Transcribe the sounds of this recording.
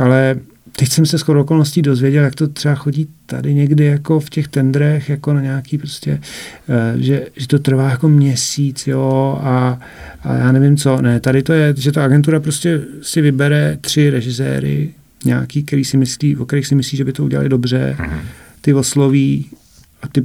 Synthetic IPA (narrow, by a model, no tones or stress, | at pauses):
ʔalɛ | t̪ɛcsɛmsɛskoɾooko̞lnosciːdo̞zvjɛɟɛljak̚t̪o̞t̪r̥ɛbaxo̞ɟiːt̪a̰dɪɲɛɡdɪjako̞fcɛxt̪ɛnd̪ɾɛxjako̞naɲaːkiːpɾo̞scɛ | ʒɛʒɛt̪o̞t̪r̩vaːjako̞mɲɛsiːt͡sjoa | ʔa̰ja̰ːnɛvɪmt͡so̞nɛt̪adɪt̪o̞jɛʒɛt̪aaɡɛnt̪̬uɾapɾoscɛsɪvɪbɛɾɛt̪r̝̥ɪɾɛʒɪsɛ̰ːɾɪ̰ | ɲa̰ːkiːk̚t̪ɛɾiːsɪmɪsliːvokt̪ɛɾiːxsɪmɪsliːʒɛbɪt̪o̞uɟɛ̰la̰lɪdobr̝ɛ̰ | t̪ɪvosloviː | ʔat̪ɪ